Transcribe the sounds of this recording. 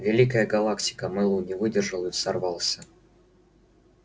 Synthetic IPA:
vʲɪlʲikəjəɡɐlˠaktʲɪ̥kəmɨlˠunʲɪvɨdʲɪrʐəlˠəsɐrvɑlˠsʲə

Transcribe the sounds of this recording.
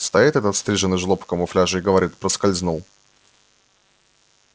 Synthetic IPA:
st̪ajit̪ɛt̪ət̪st̪ɾʲiʐɨnɨʐlˠopkəmʊflʲaʐɨɪɡəvɐɾʲit̪pɾəskɐlʲznulˠ

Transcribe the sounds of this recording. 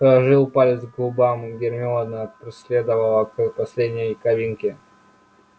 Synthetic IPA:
əʐɨlˠpalʲɪsɡlˠʊbamɡʲɪrmʲɪod̪nəpɾʲɪsʲlʲed̪əvəlˠəkɨpɐsʲlʲedʲnʲəjkɐvʲinkʲɪ

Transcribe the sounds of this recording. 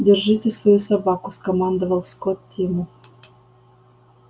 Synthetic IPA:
dʲerʒitʲesvojusabɑkuskomɑnd̪ovəlˠskot̪ːʲimu

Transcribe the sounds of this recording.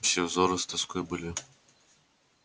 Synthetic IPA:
sʲɛvzɔɾɨst̪ɐskɔjbɨlʲi

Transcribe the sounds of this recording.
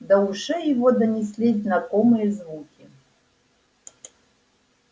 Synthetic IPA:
d̪ɐuʂɛjivɔd̪ɐnʲis̬ʲlʲiznakɔmɨjɐzvukʲi

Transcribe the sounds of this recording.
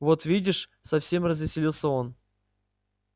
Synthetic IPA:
vo̞t̪vʲidʲɪʂsɐfsʲemrəzvʲɪsʲɪlʲilˠsʲəo̞n

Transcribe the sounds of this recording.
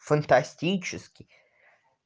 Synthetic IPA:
fənt̪ɐsʲtʲit͡ɕɪskʲɪ

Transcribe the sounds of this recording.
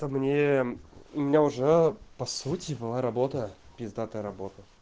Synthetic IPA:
t̪əmnʲe | ʊmʲɪnʲaʊʐɛpɐsutʲɪbɨlˠaɾɐbot̪əbʲɪzd̪at̪əjɾɐbot̪ə

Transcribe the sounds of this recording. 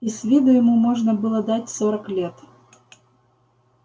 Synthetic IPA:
isʲvʲid̪ʊjɪmumoʐnəbɨlˠəd̪atʲsoɾəklʲet̪

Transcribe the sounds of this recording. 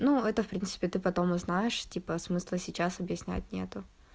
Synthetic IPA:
nuɛt̪əfpɾʲinsɨ̥pʲɪt̪ɨpɐt̪o̞mʊznajɪʂtʲipəsmɨslˠəsʲɪt͡ɕasɐbjɪsʲnʲæ̰t̚ʲnʲḛt̪ʊ

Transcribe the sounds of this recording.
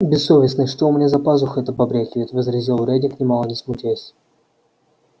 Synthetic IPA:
bʲɪsːovʲɪsnɨʂt̪omnʲezɐpazʊxɛt̪əbɐbɾʲækʲɪvʲɪt̪ʲvəzɾʲɪzʲelˠʊɾʲædʲɪknʲɪmalˠənʲɪsmʊtʲesʲ

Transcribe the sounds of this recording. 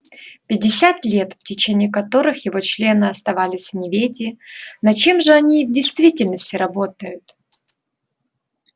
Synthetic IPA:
pʲɪdʲːɪsʲat̪lʲe̞t̪ftʲɪt͡ɕenʲɪːkɐt̪o̞ɾɨxjɪvo̞t͡ɕlʲe̞nɨɐst̪ɐvalʲɪsʲvnʲɪvʲedʲɪnɐt͡ɕe̞mʐɨɐnʲivdʲɪjst̪vʲitʲɪlʲnəsʲtʲɪɾɐbo̞t̪əjʊt̪

